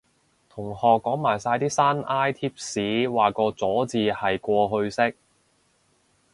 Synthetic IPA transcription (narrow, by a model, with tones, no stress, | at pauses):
t̪ʰʊ˨˩ŋhɔː˨kːɔː˨˥ŋmaː˨˩jsaː˧jt̪iː˥saː˥naː˥jt̪ʰiː˥p̚siː˨˥waː˨kɔː˧t͡sɔː˨˥t͡siː˨˧hɐ˨jkʷɔː˧ɦɵ˧ɥsɪ˥k̚